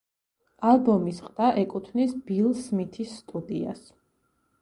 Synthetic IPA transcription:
alˠbɔmisqʼd̪̥aʔɛkʼut̪ʰvnisbilˠsmit̪ʰisːt̪ʼud̪ia̰s

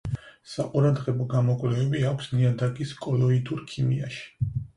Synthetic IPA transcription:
saqʼuɾad̪ʁɛbɔɡamɔkʼlɛvɛbiakʷʰsniad̪akʼiskʼɔlˠɔid̪uɾkʰimiaʃi̥

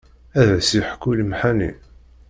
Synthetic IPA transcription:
æðəsiħkːuləmħanḭ

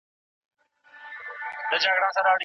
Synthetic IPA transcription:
t̪ət͡ʃaːɡɽãːsãːɾaːɽ

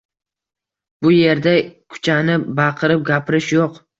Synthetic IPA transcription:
bʊje̞ɾd̪akʰʊ̥t͡ʃʰanɪbaqʰɨɾɪp̚ɡʲapʰɪɾɪʃjoq

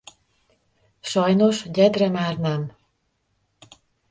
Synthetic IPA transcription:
ʃɒjnoʃɟɛd̪rɛmaːrnɛm

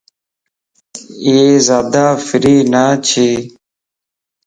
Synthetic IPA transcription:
ieːzaːd̪aːfɪɾiːnaːt͡ɕʰiː

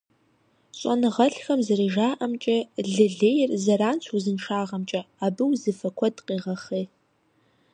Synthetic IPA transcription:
ɕʼɐ̰nɨʁɐɬxɐmzɨriʒaːʔɐmt͡ʃʼɐɮɨɮeːjrzɐɾaːnt͡ɕʰuzɨnʂaːʁɐmt͡ʃʼɐaːbɨwzɨfɐkʷʰɔdqiːʁɐχeː

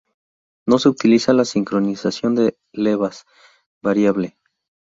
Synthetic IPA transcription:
no̞seut̪ilisalasiŋkɾo̞nisasjo̞nd̪e | le̞βas | baɾjaβle̞

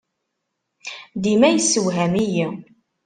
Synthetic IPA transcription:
d̪imæjəsːəwɦæmiji

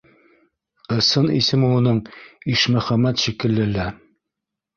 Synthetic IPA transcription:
ɤ̆sɤnḭsɘmulˠɤ̆noɴiʃmɵ̆χæmæt̪ʃikɘ̆lːɘ̆læ

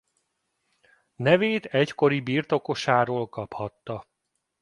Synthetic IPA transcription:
nɛveːt̪ɛcko̞ɾibirt̪o̞ko̞ʃaːɾoːlkɒphɒt̪ːɒ

